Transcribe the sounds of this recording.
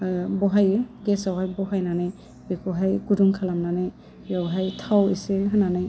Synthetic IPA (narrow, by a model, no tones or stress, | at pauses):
bɔɦajɡɛsawɦajbɔɦajnanɯj | bɛkʰɔɦajɡuduŋkʰalamnanɯj | jawɦajtʰawisilɦɯnanaj